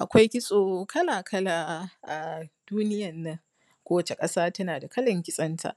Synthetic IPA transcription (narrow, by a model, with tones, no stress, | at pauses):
ʔa˨kʷa˦jkʲɪ˦sʼoː˨kɐ˦laː˨kʰɐ˦laː˨ʔa˨d̥uː˦nɪ˦jɐ˨nːɐ˦ŋ | kʷoː˦wɐ˨t͡ʃe˨kʼɐ˦saː˦tɐ˦naː˨da˨kɐ˦lɐ˨ŋkʲɪ˦sʼɐ˦ntʰa̰˨ʔ